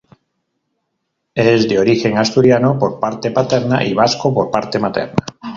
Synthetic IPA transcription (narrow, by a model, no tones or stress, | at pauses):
ɛzd̪eoɾixeŋast̪uɾjanopoɾpaɾt̪epat̪ɛɾna̰ʔiβ̞askopoɾpaɾt̪emat̪ɛ̰ɾna